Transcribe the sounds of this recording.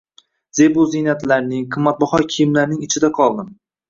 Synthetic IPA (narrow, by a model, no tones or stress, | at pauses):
z̥ebʊzijnat̪laɾnɪŋqʰɨmːat̪̚bɒχɒkʲʰijɪmlaɾnɪŋɪt͡ʃʰɪd̪aqʰɒlˠd̪ɪm